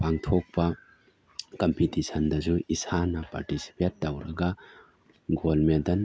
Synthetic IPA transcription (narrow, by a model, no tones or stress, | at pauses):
paŋtʰok̚pɐ | kɐmpitisʰɐndɐzuisanɐpa̰ɾtisi̥petːɐwɾɐɡɐ | ɡolmendɐn